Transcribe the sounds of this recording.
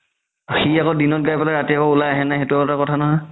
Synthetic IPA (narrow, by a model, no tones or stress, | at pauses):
xiakodinɔt̚ɡajpalaɹatiakɔulajaɦɛnajxetuatakɔtʰanɔɦɔj